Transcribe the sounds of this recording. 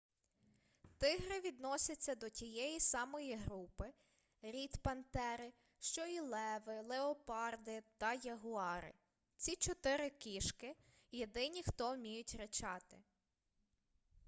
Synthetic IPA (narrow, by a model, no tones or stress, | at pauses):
t̪ɪɦɾɪʋʲid̪nɔsʲɐt͡sʲːɐd̪ɔtʲijɛjisɑmɔjiɦɾupɪ | ɾʲit̪pɐnt̪ɛɾɪ | ʃt͡ʃɔilˠɛʋɪlˠeɔpɑrd̪ɪt̪ɐjɐɦʊɑɾɪ̰ | t͡sʲit͡ʃɔt̪ɪɾɪkʲiʃkɪ | jed̪ɪnʲixt̪ɔwmʲijʊtʲɾet͡ʃɑt̪ɪ